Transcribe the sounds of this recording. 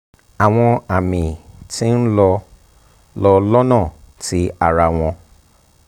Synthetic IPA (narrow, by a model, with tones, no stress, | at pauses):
a˨w̃ɔ̃˧a˨mĩ˨tĩ˦n̩˦lɔ˧ | lɔ˧lɔ˦nã˦˨ti˨˦a˨ɾa˧w̃ɔ̃˧